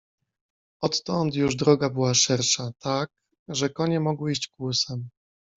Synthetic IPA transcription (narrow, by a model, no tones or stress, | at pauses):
ɔt̪ːɔnt̪juʐd̪ɾɔɡabɘwaʂɛɾʂat̪ak̚ | ʐɛkɔɲɛmɔɡwɘiɕt͡ɕkwusɛm